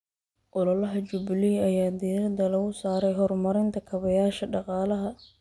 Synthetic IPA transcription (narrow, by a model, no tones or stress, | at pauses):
ʔʊlɐlɐɦɐt͡ʃʊbliːɐjaːd̪iːɾɐd̪ɐlɐɣʊsaːɾɛjɦɔrmɐɾɪnt̪ʰɐkʰɐβɐjaːʃɐɖɑqɑːlɐɦɐ